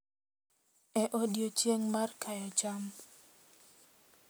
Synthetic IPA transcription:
ɛʔodjot͡ʃjeŋmarkʰajɔd͡ʒam

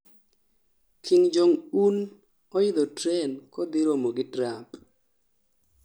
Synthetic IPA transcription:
kʰɪŋd͡ʒoŋun | ɔɪd̪ɔtɾɛnkɔd̪ɪɾomoɡɪtɾap

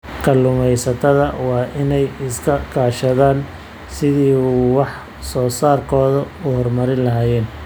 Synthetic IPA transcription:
kʰɐlʊmɛjsɐt̪ʰɐðɐwɑːʔɪnɛjɪskʰɐkʰaːʃɐðaːn | sɪðiːwɑħ | sɔːsaːrkʰɔːðɐ | ʊhɔrmɐɾɪnlɐɦaːjɛːn

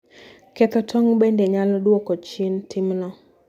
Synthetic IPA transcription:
kɛt̪ɔtʰɔŋbendeɲaldwokot͡ʃɪntʰɪmnɔ

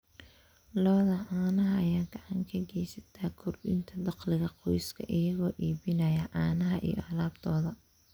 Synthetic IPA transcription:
lɔːðɐʕaːnɐɦɐɐjaːɡɑʕɑŋkʰɐɡɛjsɐ̥t̪ʰaːkʰʊrɗɪ̰nt̪ʰɐd̪ɑqlɪɣɐqɔjskʰɐ̰ʔɪjɐɣɔːʔiːβɪnɐjɐʕɑːnɐɦɐʔḭjɔ̰ʔɐlaːb̚t̪ʰɔːðɐ

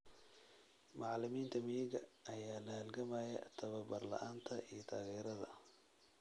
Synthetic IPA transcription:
mɑʕlɪmiːnt̪ʰɐmijɪɣɐʔɐjaːlɐhɐlɡɐmaːjɐ̰t̪ʰɐβɐbɐrlɐ̰ʔaːnt̪ʰɐʔijɔt̪ʰaːɣɛːɾɐðɐ

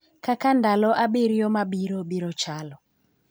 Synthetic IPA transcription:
kakandalɔʔaɓeɾijɔmaɓiɾɔɓiɾɔt͡ʃalɔ

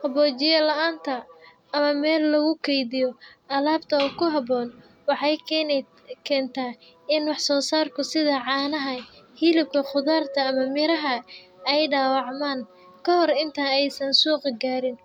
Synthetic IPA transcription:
hɐbɔːt͡ʃɪjɐlɐʔaːnt̪ʰɐː | mɐmɛːlːɐɣʊkʰɛjðɪjɔɐlaːbt̪ʰɐɔkʰʊɦɐbɔːn | wɑħɑj | kʰɛːnt̪ʰaː | ɪnwɑħsɔːsaːrkʰʊsɪðɐʕɑːnɐɦɐhilɪb̚kʰɐχʊðaːrt̪ʰɐːmɐmɪɾɐɦɐɛjɖaːwɑʕmaːn | kʰɐɦɔrɪnt̪ʰaːɛjsɐnsuːqɡaːɾɪn

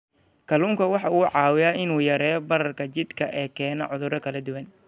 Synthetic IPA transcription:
kʰɐluːŋkʰɐwɑħɑuːʕɑːwɪjaːɪnuːjɐɾɛːjbɐɾɐrkʰɐt͡ʃɪd̪kʰɐʔɛːkʰɛːnɔ̰ʕʊðʊɾɐkʰɐlɐd̪ʊwɐn

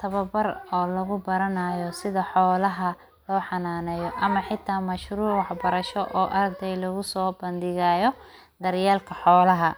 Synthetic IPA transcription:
t̪ʰɐβɐbɐrɔːlɐɣʊbɐɾɐnajɔsɪðɐħɔːlɐɦɐ | lɔːħɑnaːnɛjɔʔɐmɐħɪt̪ʰːaːmɐʃɾuːʕwɑħbɐɾɐʃɔʔɔːʔɐrd̪ɛjlɐɣʊsɔːbɐnd̪ɪɣaːjɔd̪ɐrjaːlkʰɐħɔːlɐɦɐ

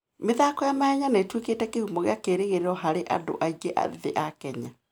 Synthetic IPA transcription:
meðaːkɔjamaɛɲanetwekeːtɛkehumɔɣeakeːɾeɣeɾeɾɔɦaɾeʔa̰do̰ʔaiɡeʔa̰ðeʔakɛɲa

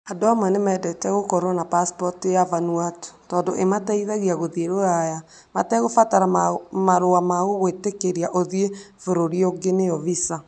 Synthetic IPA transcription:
andoamanemɛdɛtɛɣokɔɾonapaspɔtijavanuato̥tɔːndoʔemataiðaɣiaɣoðeɾoaja | matɛɣofataɾamaɾoamaɣoɣwetekeɾiaʔoðefoɾoɾioɡenejɔvisa

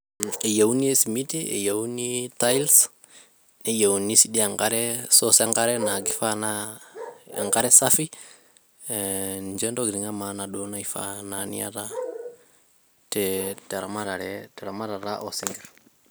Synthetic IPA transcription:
ejawuniesimitiḛjawnitajls | nejawunisidiaŋkaɾɛsosaŋkaɾɛnaɡifana | a̰ŋkaɾɛsafi | nd͡ʒɛndoɡɾiŋamanaɗonaifa̰nanḭa̰ta | tɛteɾamaɾaɾɛtɛɾamaɾaɾaʔosiŋɡɛɾ

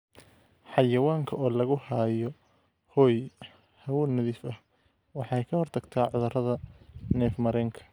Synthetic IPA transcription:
ħɑjɐwaːŋkʰɐʔɔːlɐɣʊhaːjɔ | hɔːj | hɐwuːnɐðiːfɐh | wɑħɑɛjkʰɐhɔrt̪ʰɐɡt̪ʰaːʕʊðɐrɐðɐnɛːfmɐɾɛːŋkʰɐ̥

